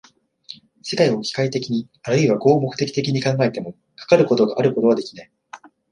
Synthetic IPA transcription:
se̞kaio̞kʲi̥kait̪e̞kʲiɲ̟i | aɾɯ̟iβaɡo̞ːmo̞kɯ̟t̪e̞kʲi̥t̪e̞kʲiɲ̟ikãŋɡae̞t̪e̞mo̞ | kḁkaɾɯ̟ko̞t̪o̞ɡaʔaɾɯ̟ko̞t̪o̞β̞ad̪e̞kʲi̥nai

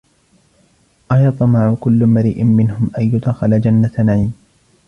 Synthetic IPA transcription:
ʔajɑt̪ˤɑmaʕʊkʊlːmaɾiːʔɪnmɪnhʊmʔajjʊd̪xɪlad͡ʒanːat̪anaʕiːm

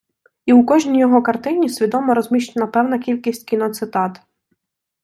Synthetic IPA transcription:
iukɔʒnʲijɔɦɔkɐrt̪ɪnʲisʲʋʲid̪ɔmɔɾɔzmʲiʃt͡ʃenɐpɛwnɐkʲilʲkʲisʲtʲkʲinɔt̪sɪt̪ɑt̪

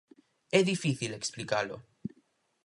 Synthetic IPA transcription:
eðifiθileksplikalo̰

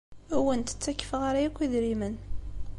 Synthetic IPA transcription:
æwənt̪ə̥t͡sːækːə̥fʁaɾajækʷːiðɾimən

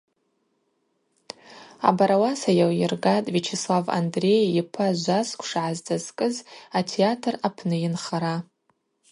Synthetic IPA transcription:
a̰baɾawasajawjɪrɡatʼvit͡ʃʰeslava̰ndre̞jipʰaʒʷaskʷʰʼʂaʕazd͡zʼazkʼɨzatʰeatʰrapʰnɨjɪnχaɾa

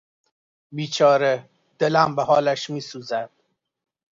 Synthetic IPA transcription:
biːt͡ʃʰɒːɾe | d̪̥elæmbehɒːlæʃmiːsuːzæd̪̥̚

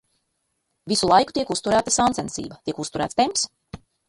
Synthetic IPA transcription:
visulˠajku̥t̪iɛkust̪uɾæːt̪asansɛnsḭːbɐt̪iɛkust̪uɾæ̰t̪st̪emps

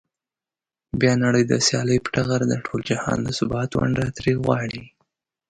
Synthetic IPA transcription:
bjɑnaɽəjd̪əsjɑləjpə̥ʈaɣaɾd̪əʈʰold͡ʒahɑ̰nd̪əsʊbɑt̪wa̰ɳɖat̪ɾiɣwɑɽi

